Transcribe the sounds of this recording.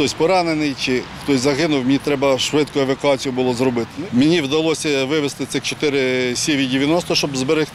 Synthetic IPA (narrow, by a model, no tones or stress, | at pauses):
t̪ɔsʲpɔɾɑnenɪjt͡ʃɪxt̪ɔsʲzɐɦɪnʊwmʲnʲit̪ɾɛbɐʃʋɪd̪̚kʊɛʋɐkʊɑt͡sʲijʊbʊlˠɔzɾɔbɪt̪ɪmʲenʲiwd̪ɐlˠɔsʲɐʋɪʋest̪ɪt̪sɪxt͡ʃɔ̥t̪ɪɾɪsʲiʋʲidʲeʋʲjɐnɔst̪ɔʃt͡ʃɔbzbeɾɪx